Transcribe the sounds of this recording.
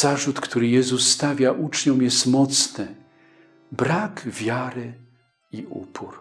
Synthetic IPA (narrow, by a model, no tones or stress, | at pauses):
aʐut̪kt̪uɾɘjɛzusːt̪avʲjaʔut͡ʂɲɔ̃w̃jɛst̪mɔt̪snɘ | bɾakvʲjaɾɘ | iʔṵpʰuɾ